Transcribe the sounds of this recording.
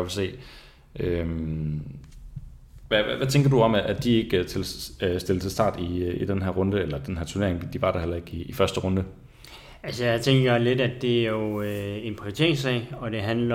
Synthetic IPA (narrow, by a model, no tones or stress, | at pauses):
ʋelse̝̰ː | ʔøm | ʋæʋæt͡sʰeŋɡ̥ɐd̥uɒ̽mæʔæd̥ie̝ɡ̥ət͡sʰe̝lsd̥elə̥t͡sʰe̝lsd̥ɑ̰̈ːd̥iid̥enɦæɐʁɔ̽nd̥əelɐd̥enhæɐ̰t͡sʰuɐne̝ɐeŋd̥iʋɑ̈ɾ̥ɑhel̰ɐe̝ɡ̥iːfɶɐsd̥əʁɔ̽nd̥ə | ælsəjäɪt͡sʰeŋɡ̥ɐle̝dæd̥ːe̝æjo̝enpʰʁiot͡sʰe̝ɐ̰eŋsɛ̰ɪɒ̽d̥e̝ɦænlɐ